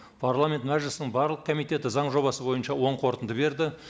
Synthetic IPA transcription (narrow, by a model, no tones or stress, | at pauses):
pʰarlˠamʲe̞nt̪mæʒlɪsɪnɪŋɴbɑɾlˠəq̚kʰomijt̪e̞t̪ɪzɑɴʒo̞βɑsəbo̞jənʃɑwo̞ɴqʰo̞ɾt̪ənd̪əbe̞ɾd̪ɪ